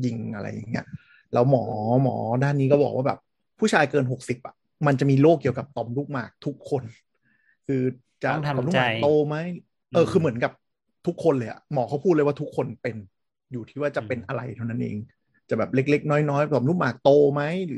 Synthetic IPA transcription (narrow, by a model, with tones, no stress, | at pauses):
ji˧˩ŋʔa̰˧ɾa̰˧jːa̰˨˩ŋːi˦˥ɐ | lɛː˦˥wmɔː˩˦mɔ̰ː˩˦daː˥˩nːiː˦˥k̬ɔː˥˩bɔ̰ː˨˩k̚waː˥˩bɛː˨˩p̚ | pʰːuː˥˩t͡ɕʰaː˧jkɤː˧nɦo˨˩k̚si˨˩p̚ʔḁ̰˨˩ | ma˧nt͡ɕa˨˩ʔmiː˧loː˥˩k̚ːi˧əwka˨˩p̚t̪ɔː˧˩mluː˥˩k̚maː˨˩k̚t̪ʰu˦˥kʰːo˧n | kʰɯː˧ | t͡ɕa˨˩ʔɔː˨˧mlu˥˩maː˨˧kt̪oː˧ma˦˥j | ʔɤː˧kʰɯː˧mɯ˩˦ənka˨˩p̚ | t̪ʰu˦˥kʰːo˧nlɤː˧jʔa̰˨˩mɔː˩˦kʰa˦˥wpʰu˥˩t̪̚lwaː˥˩t̪u˦˥kʰːo˧npe˧n | juː˨˩iː˥˩waː˥˩t͡ɕa˨˩pe˧nʔa˧ɾa˧jt̪ʰa˥˩wna˦˥nʔḛː˧ŋ | t͡ɕa˨˩bɛː˨˩p̚le˦˥k̚le˦˥k̚nɔː˦˥jnɔː˦˥jt̪ɔː˧˦mlu˥˩k̚maː˨˩k̚t̪oː˧ma˦˥jlɯː˩˦